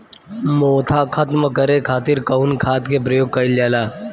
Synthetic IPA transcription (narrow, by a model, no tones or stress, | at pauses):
moːt̪ʰaːkʰɐt̪məkɐɾekʰaːt̪ɪɾkɐʊnkʰaːt̪kep̬ɾɐjoːɡ̚kɐiljaːlaː